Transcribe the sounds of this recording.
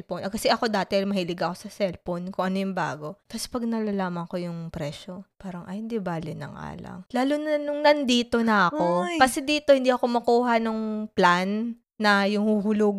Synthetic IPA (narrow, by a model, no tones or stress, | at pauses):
lponʔɐkɐsɛʔɐko̞d̪aːt̪ɪmɐhilɪɡɐʔɐko̞sɐsɛlponkʊŋʔɐnojʊŋba̰ːɡo̞t̪ɐspɐɡ̚nɐlalaːmɐŋko̞jʊŋpɾɛʃopaːɾɐŋʔɐjhɪnd̪ibaːlɪnɐ̰ŋa̰ːlɐ̰ŋlaːlʊnɐnʊŋnɐnd̪iːt̪o̞nɐʔɐko̞kɐsɛd̪iːt̪o̞hɪnd̪iʔɐko̞mɐkuːɦɐnoŋplanː | ɐjʊŋhuɦʊlʊɡ